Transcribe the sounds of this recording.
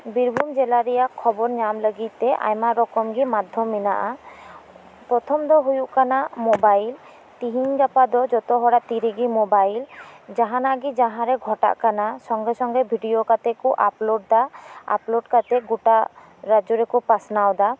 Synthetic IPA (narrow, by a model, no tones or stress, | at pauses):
biɾbʱumd͡ʒɛlaɾijakʰːɔbɔɾɲamləɡit̪t̪ɛʔa̰jmaɾɔkɔmɡimad̪ʱjɔmina̰ʔa | pɾɔt̪ʰɔmd̪ɔɦujuʔkanamɔbail | t̪iɦiɲɡapad̪ɔd͡ʒɔt̪ɔɦɔɽat̪iɾiɡimobajld͡ʒaɦanaʔɡid͡ʒaɦãɾɛɡʱɔʈa̰ʔkanasɔŋɡɛsɔŋɡɛbʱiɖijokat̪ekuʔaploɖ̚d̪aa̰ploɖkat̪ɛɡuʈa | ɾad͡ʒoɾekupasnawd̪a